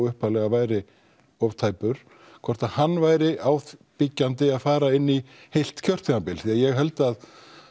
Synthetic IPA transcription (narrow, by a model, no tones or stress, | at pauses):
ʏhpalɛɣavaːjɾɪ | ɔvt̪ʰajpʏɾ̥ | kʰvɔr̥t̪aðhanːvaːjɾɪʔaːwθpicːant̪̬ɪaðfaːɾaɪnːi | hejl̥t̪cʰœr̥t̪ʰɛampɪlθiaðjɛɣɦɛlt̪að